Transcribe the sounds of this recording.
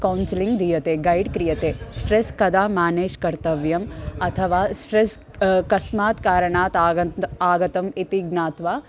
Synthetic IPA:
kɐwnsiliŋɡd̪ʱijɐt̪eːɡɐjɖkɾijɐt̪eːsʈɾeskɐd̪aːmaːneːʃkɐɾt̪ɐʋjɐmɐt̪ʰɐʋaːsʈɾes | kɐsmaːt̪kaːɾɐɳaːt̪aaːɡɐt̪ɐmit̪iɡnaːt̪ʋaː

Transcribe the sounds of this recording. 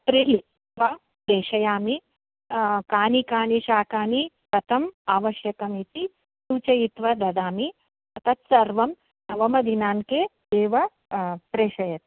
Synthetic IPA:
pɾili | ʋɐ | d̪eːʃɐjaːmi | kaːnikaːniʃaːkaːni | kɐt̪ʰɐmaːʋɐʃjɐkɐmit̪i | suːt͡ʃɐjit̪ʋɐd̪ɐd̪aːmi | ɐt̪ɐt̪sɐɾʋɐm | nɐʋɐmɐd̪ʱinaːnkeːd̪eːʋɐ | pɾeːʃɐjɐt̪̚

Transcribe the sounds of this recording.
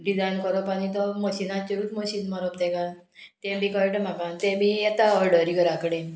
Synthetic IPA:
ɖid͡zajnkəɾɔpañit̪ɔməɕinat͡ɕəɾut̪mɔɕinmaɾɔp̚t̪ɛ̃ka | t̪ɛ̃mbʱikɔʈəmakãnt̪ɛ̃bʱiɛt̪aɔɾɖəɾiɡəɾakəɽe

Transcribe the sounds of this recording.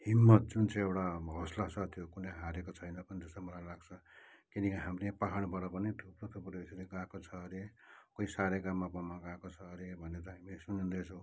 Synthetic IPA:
himːʌt̪̚d͡zunt͡sãĩewʈaɦʌslasat̪ʰjokuneɦaɾekot͡sʰʌjnʌpʌnid͡zʌsʌmʌlajlaɡt͡sʰʌkinikiɦamrepaɦaɽ̃bʱʌɽʌpʌned̪ʰʱuprot̪ʰupɾoisɾiɡãkot͡sʰʌɾekoisaɾeɡamːabʌmːaɡãkot͡sʰʌɾebʱʌnet̪ʌɦamlesunund̪et͡sʰʌ̃w̃

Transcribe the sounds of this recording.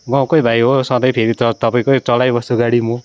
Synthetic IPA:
ɡãw̃kojbʱajɦosʌ̃d̪ʌjpʰeɾit͡sʌt̪ʌpaĩkoit͡sʌlajbʌst̪uɡaɽimu

